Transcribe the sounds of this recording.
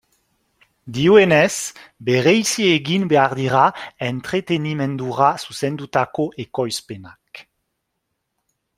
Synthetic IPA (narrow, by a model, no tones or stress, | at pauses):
d̪iwenɛsbeʁɛjsieɡinbeaʁd̪iʁaɛnt̪χet̪enimɛ̃nd̪uʁasusɛnd̪ut̪akoʔekɔjspenak